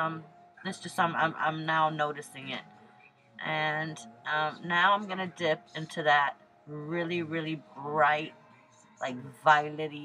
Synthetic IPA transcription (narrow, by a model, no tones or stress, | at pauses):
ʌ̃m | ðɨtsd̥ʒ̥ʌstãɪ̃mã̰ɪ̃mʔã̰ɪ̃mnaʊnoʊɾɨsɪ̃ŋɪ̰t̚ | ʔɨ̃nʔʌ̃mnaʊãɪ̃mɡʌnɨdɪp̚ɪ̃ntʰʉðɨt̚ | ɹɪlˠiɹɪlˠibɹaɪt̚ | lʔaɪk̚vaɪlɨɾi